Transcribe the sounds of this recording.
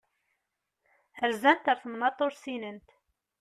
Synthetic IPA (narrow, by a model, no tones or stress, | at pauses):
əɾzænt̪əɾˤθənmɑt̪ˤːoɾsinənt̪